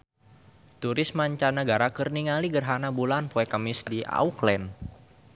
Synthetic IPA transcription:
t̪uɾɪsmaɲt͡ʃanəɡaɾakərniŋaliɡərɦanabulanpoɛkəmɪsdia̰uklɛn

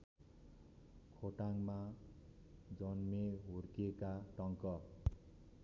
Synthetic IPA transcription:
kʰoʈaŋma | d͡zʌnmeɦorkiekaʈʌŋkʌ

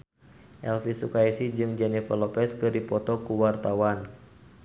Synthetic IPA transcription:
ʔɛlfisukaisid͡ʒɨŋd͡ʒɛnifalɔpɛskɨrdipɔt̪ɔkuwart̪awan

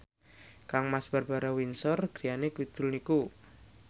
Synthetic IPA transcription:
kaŋmasb̥a̤rb̥a̤ɾawinsɔrɡ̥ɾijanekud̪̥ʊ̤lniku

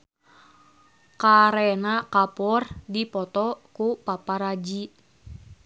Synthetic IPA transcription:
kaɾɛnakapɔrdipɔt̪ɔkupapaɾad͡ʒi

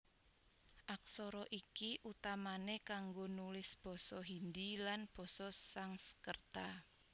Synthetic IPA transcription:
ʔak̚sɔɾɔʔikiʔut̪amanekaŋɡonulɪsb̥ɔ̤sɔɦind̪ilanb̥ɔ̤sɔsaŋsə̥kərt̪a

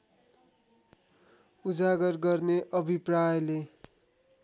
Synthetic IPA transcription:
ud͡zaɡʌrɡʌrneʔʌbʱiprajʌle

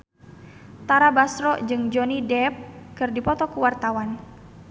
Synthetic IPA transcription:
t̪aɾabasɾɔd͡ʒɨŋd͡ʒɔnidɛp̚kɨrdipɔt̪ɔkuwart̪awan

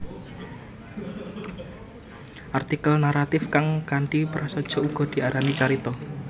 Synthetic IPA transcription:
ʔart̪ikəlnaɾat̪ɪfkaŋkaɳʈipɾasɔd̥ʒ̥ɔ̤uɡ̥ɔ̤d̪̥i̤aɾanit͡ʃaɾit̪ɔ

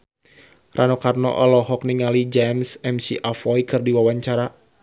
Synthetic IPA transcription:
rʔanɔkarnɔ̰ʔɔlɔɦɔk̚niŋalid͡ʒɛmsɛmsiʔafɔjkɨrdiwawaɲt͡ʃaɾa

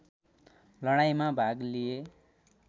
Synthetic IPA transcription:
lʌɽ̃ajmabʱaɡlije

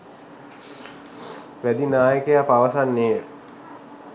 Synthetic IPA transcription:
ʋæd̪inaːjəkejapaʋəsanːeː

